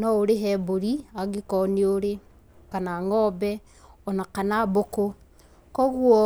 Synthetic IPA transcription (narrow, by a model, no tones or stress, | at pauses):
nɔoɾeɦɛboɾiaɣikɔneoɾe | kanaŋɔbɛ | ɔnakanaboko | kɔɣwɔ